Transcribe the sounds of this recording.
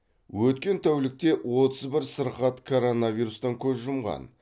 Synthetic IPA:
wɵt̪kʲe̞nt̪ʰæwlɪk̚t̪e̞wo̞t̪əzbɪɾsəɾqɑt̪kʰo̞ɾo̞navʲiɾust̪ɑŋkʲʰɵzʒʊmʁɑ̰n

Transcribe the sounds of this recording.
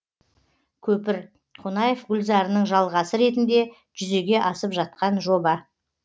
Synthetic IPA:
kʲʰɵpɪɾ | qʰonɑjefɡʲʏlzɑɾənəɴʒɑlˠʁɑsəɾe̞t̪̬ɪnd̪e̞ | ʒʏze̞ɡʲe̞ʔɑsəpʒɑt̪̚qɑnʒo̞bɑ

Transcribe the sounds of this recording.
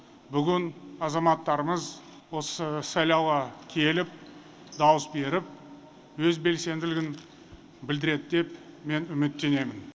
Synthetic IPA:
bʏɡʲɪnɑzɑmɑt̪ːɑɾəməz | wo̞səsɑjlˠɑwʁɑkʲʰe̞lɪp̚ | d̪ɑwəsbe̞ɾɪp̚ | wɵzbe̞lse̞nd̪ɪlɪɡʲɪn | bɪld̪ɪɾe̞d̪ɪd̪e̞pme̞nʏmɪt̪ːe̞ne̞mɪn

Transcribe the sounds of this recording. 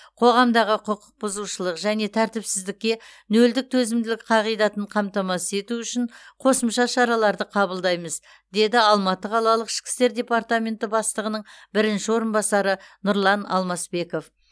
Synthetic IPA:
qʰo̞ʁɑmd̪ɑʁəqʰʊqːə̥q̚bʊzuʃəlˠəqʒæne̞t̪ʰæɾt̪ɪpsɪzd̪ɪk̚ʲːe̞nɵld̪ɪk̚t̪ʰɵzɪmd̪ɪlɪk̚qʰɑʁijd̪ɑt̪əɴqʰɑmt̪ɑmɑsəe̞t̪uʏʃɪɴqʰo̞səmʃɑʃɑɾɑlˠɑɾd̪əqʰɑbəlˠd̪ɑjməz | d̪e̞d̪ɪɑlˠmɑt̪əqʰɑlˠɑlˠəqɪ̥ʃkʲɪ̥st̪e̞ɾd̪ʲe̞paɾt̪amʲe̞nt̪ɪbɑst̪əʁənəɴbɪɾɪnʃɪwo̞ɾənbɑsɑɾənʊɾlˠɑnɑ̰lˠmɑsbe̞ko̞f

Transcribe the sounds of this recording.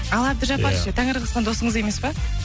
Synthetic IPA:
ɑlˠɑp̪̚ɪʒɑppɑɾʃət̪ʰæŋəɾʁəsq̪ɑnd̪o̞səɴəze̞me̞spɑ

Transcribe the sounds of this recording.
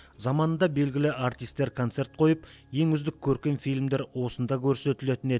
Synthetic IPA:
zɑmɑnənd̪ɑbe̞lɡʲɪlɪʔaɾt̪ijst̪ːe̞ɾkʰont̪se̞ɾt̪̚qʰo̞jəpje̞ŋʏzd̪ɪkʲʰːɵɾkʲenfijlʲmd̪eɾwo̞sənd̪ɑkʲʰɵɾse̞t̪ɪle̞t̪ɪne̞ɪ

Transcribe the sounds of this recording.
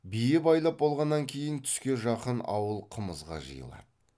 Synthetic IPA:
bijɪbɑjlˠɑp̚bo̞lˠʁɑnːɑŋkʲʰe̞jɪnt̪ʰʏ̥skʲe̞ʒɑqənɑ̰wəlˠqʰəməzʁɑ̰ʒə̰jə̰lˠɑ̰d̪ə

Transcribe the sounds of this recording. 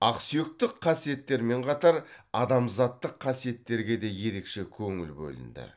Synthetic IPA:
ɑqsijo̞k̚t̪ɪqʰːɑsije̞t̪ːe̞ɾme̞ɴqʰɑt̪ɑɾɑd̪ɑmzɑt̪ːəqʰːɑsije̞t̪ːe̞ɾɡʲe̞d̪e̞je̞ɾe̞kʃe̞kʲʰɵŋɪlbɵ̰lɪ̰nd̪ɪ̰

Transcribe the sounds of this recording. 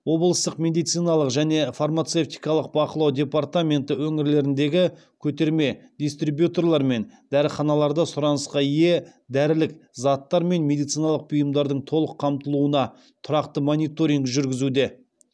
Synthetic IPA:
wo̞blˠəst̪əqmʲe̞d̪ijt̪sɨjnɑlˠəqʒæne̞farmat̪se̞ft̪ijkɑlˠəq̚bɑqəlˠɑwd̪ʲe̞part̪amʲe̞nt̪əwɵŋɪɾle̞ɾɪnd̪e̞ɡʲɪ | kʲʰɵt̪e̞ɾme̞d̪ʲist̪ribjut̪o̞rlˠɑɾme̞nd̪̥æɾəχɑnɑlˠɑɾd̪ɑsʊɾɑnəsqɑije̞d̪æɾɪlɪkzɑt̪ːɑɾme̞nme̞d̪ijt̪sijnɑlˠəq̚bʊjəmd̪ɑɾd̪əɴt̪ʰo̞lˠəqʰːɑmt̪əlˠuənɑ | t̪ʰʊɾɑqt̪əmonʲijt̪o̞ɾiŋɡʒʏɾɡʲɪzud̪e̞

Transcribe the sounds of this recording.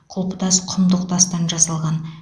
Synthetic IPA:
qʰolˠpət̪ɑsqʰʊmd̪əqt̪ɑst̪ɑnʒɑsɑlˠʁɑn

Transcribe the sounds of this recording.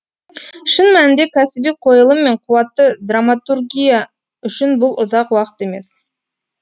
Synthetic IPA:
ʃənmænɪnd̪e̞kʲʰæsɪbijqʰo̞jəlˠəmːe̞ɴqʰʊwɑt̪ːəd̪ramat̪urɡʲija | ʏʃɪnbʊlˠʔʊzɑqwɑqə̥t̪eme̞̰s

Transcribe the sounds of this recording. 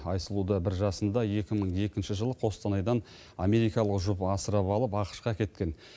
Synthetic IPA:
ɑjsəlˠud̪əbɪɾʒɑsənd̪ɑje̞kʲɪməɴje̞kʲɪnʃɪʒəlˠəqʰo̞st̪ɑnɑjd̪ɑn | ɑme̞ɾijkɑlˠəqʒʊpəɑsəɾɑpɑlˠəpɑqə̥ʃqɑkʲe̞t̪kʲe̞n

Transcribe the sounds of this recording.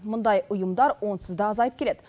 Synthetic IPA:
mʊnd̪ɑjʊjʊmd̪ɑɾwo̞nsɪzd̪ɑɑzɑjəp̚kʲe̞le̞d̪̥ɪ

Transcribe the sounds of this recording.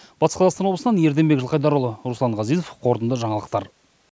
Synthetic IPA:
b̥ɑt̪ə̥sqɑzɑʁsɑnwob̪lˠsənɑnje̞ɾd̪e̞mbekʒəlˠqɑjd̪ɑɾəlˠəɾuslˠɑɴʁɑzijzofqʰo̞ɾt̪ənd̪əʒɑɴɑlˠəqt̪ɑɾ

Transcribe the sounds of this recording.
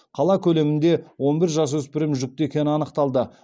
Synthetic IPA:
qʰɑlˠɑkʲʰɵle̞mɪnd̪e̞wo̞nbɪɾʒɑs̬wɵspɪɾɪmʒʏk̚t̪ɪe̞kʲe̞nɪɑnəqt̪ɑlˠd̪ə

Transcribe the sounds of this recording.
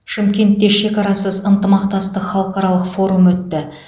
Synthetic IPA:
ʃɪmkʲe̞nt̪ːe̞ʃe̞kɑɾɑsəzənt̪əmɑqt̪ɑst̪əqχɑlˠəqɑɾɑlˠəqfo̞ɾumwɵt̪ːɪ

